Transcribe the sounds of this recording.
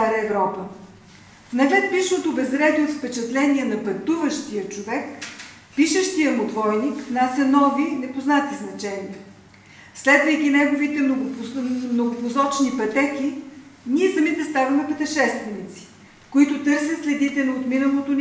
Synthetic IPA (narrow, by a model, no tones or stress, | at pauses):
aɾəɛvɾɔpə | nɐvɛt̪̚piʃnot̪obɛzɾɛd̪iot̪fpɛt͡ʃɛt̪lɛniɛnɐpɐt̪uvəʃt̪ijət͡ʃovɛk | piʃəʃt̪ijəmʊd̪vɔjnikvnasʲɐnɔvinɛpoznat̪iznɐt͡ʃɛnijə | slɛd̪vəjk̟inɛɡovit̪ɛ | mnoɡʊpʊzɔt͡ʃnipɐt̪ɛki | niɛsɐmit̪ɛst̪avɐmɛpɛt̪ɛʃɛst̪vɛnit̪si̥ | koit̪ʊt̪ɤɾs̬ʲət̪slɛd̪it̪ɛnot̪minəlˠot̪on